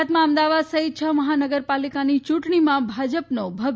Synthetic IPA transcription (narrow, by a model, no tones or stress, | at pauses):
t̪mãəmd̪aʋad̪səɦit̪̚t͡ʃʰəməɦanəɡəɾpalikanit͡ʃũʈɽ̃imãbʱad͡ʒəpnobʱə